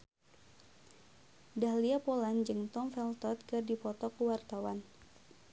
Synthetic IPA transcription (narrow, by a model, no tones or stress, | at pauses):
dahliapoland͡ʒɨŋt̪ɔmfɛlt̪ɔt̪̚kɨrdipɔt̪ɔkuwart̪awan